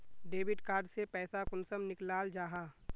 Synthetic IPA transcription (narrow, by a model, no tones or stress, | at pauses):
ɖeːbɪʈkaːɾɖsepɛːsakʊnsəmnɪklaːld͡ʒaːɦaː